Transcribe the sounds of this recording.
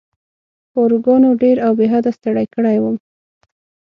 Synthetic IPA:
oɾɡɑnoɖeɾawbeɦad̪ast̪əɽajkəɽajwəm

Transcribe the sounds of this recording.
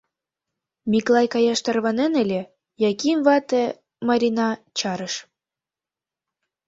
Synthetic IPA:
miklɑjkɑjɑʃt̪ɑrβɑnenelʲe | jɑkimβɑt̪e | mɑɾʲinɑt͡ɕɑɾəʃ

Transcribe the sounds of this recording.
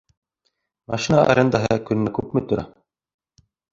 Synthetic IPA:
mɑʃinaa̰ɾʲʔend̪aɦɤɤkɵ̆nɘ̆nækʉpmɘ̆t̪ŏɾæ̰

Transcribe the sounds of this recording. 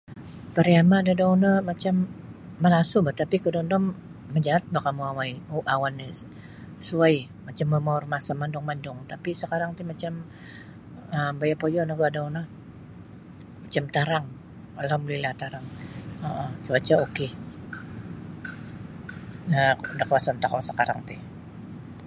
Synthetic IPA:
pəɾiamadadawnəmat͡ʃamː | əlasubət̪apikədɔndɔmː | əd͡ʒaat̪̚bakamuawajoʔawani | suaj | mat͡ʃamːəmarmasamandʊŋmandʊŋt̪apisəkaɾaŋt̪umat͡ʃam | əmbajapojɔnaɡuadana | mat͡ʃamt̪aɾaŋ | alamlilat̪aɾaŋəʔət͡ʃuat͡ʃaokɪ | ədakəasant̪akasəkaɾa̰ŋt̪ih

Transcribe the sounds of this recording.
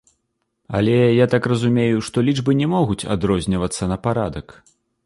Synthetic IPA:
ɐ̰lʲɛjat̪akrɐzumʲejuʂt̪ɔlʲid͡ʐbɨnʲɛmɔɣut͡sʲa̰d̪ɾɔzʲnʲɐvɐt̪sːɐnɐpaɾad̪ɐk

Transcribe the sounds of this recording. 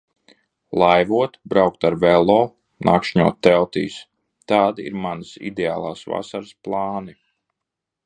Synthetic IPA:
lˠajvuɔt̪bɾawk̚t̪aɾvɛlˠɔː | naːkʃɲuɔtt̪ːɛlˠt̪ḭːs | t̪aːd̪ḭɾmanəsḭd̪ʲeaːlˠaːsva̰saɾɨsplˠɑːni

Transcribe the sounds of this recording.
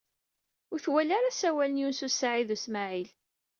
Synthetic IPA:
ʊɾθwælaɾasæwælənjunsusaʕiðusmaʕil

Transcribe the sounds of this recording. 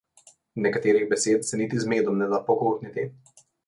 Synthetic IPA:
nɛkat̪eɾiɣbɛset̪sɛnit̪izmed̪ɔmnɛd̪apɔkut̪nit̪i

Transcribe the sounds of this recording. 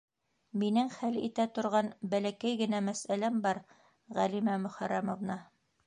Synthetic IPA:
minɘŋχælḭt̪æt̪ŏɾʁɑnbælækæjɡɘ̆næmæsælæmbɑɾ | ʁælimæmɵ̆χæɾæmŏvnɑ

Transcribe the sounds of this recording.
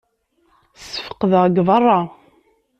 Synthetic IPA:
sə̥fə̥qəðəʁɡvɑrˤːɑ

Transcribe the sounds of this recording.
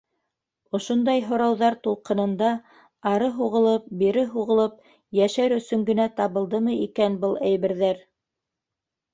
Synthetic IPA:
ŏʃond̪ɑjɦŏɾɑwðɑɾt̪ulˠqɤ̆nɤ̆nd̪ɑ | ɑɾɤɦuʁɤ̆lˠɤp̚biɾɘɦuʁɤ̆lˠɤp̚ | jæʃæɾɵ̆sɵŋɡɘ̆næt̪ɑβɤ̆lˠd̪ɤmɤikænbɤlˠæjβɘ̆ɾðæɾ

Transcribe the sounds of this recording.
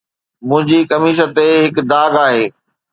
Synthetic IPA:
mʊ̃ɦɪ̃ɲd͡ʑikɐmiːʃ̬ət̪eɦɪkd̪aːɡaːɦeː

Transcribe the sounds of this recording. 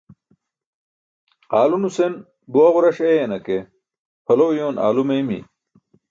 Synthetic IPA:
aːlunusen | buwɐʁuɾɐɕejɐnɐke | pʰɐlowjoːna̰ːlumejmḭ

